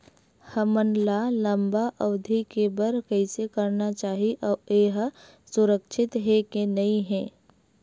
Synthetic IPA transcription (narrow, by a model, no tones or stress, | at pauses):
həmənlaːləmbaʔɐwd̪ʱikebəɾkɛɪsekɐɾnat͡ʃaːɦiʔɔːeːɦ | sʊɾəkʃʰɪt̪ɦekenɐĩɦɛ̃ː